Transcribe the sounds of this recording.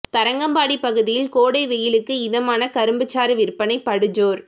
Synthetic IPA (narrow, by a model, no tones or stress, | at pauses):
t̪ɐɾɐŋɡɐmbaːɽipːɐɣɯðɪjɪlkoːɽɐɪʋɛjɪlɯkːɯɪðɐmaːnɐkɐɾɯmbɯt͡ʃːaːɾɯʋɪɾpːɐnɐɪpːɐɽɯɲd͡ʒoːɾ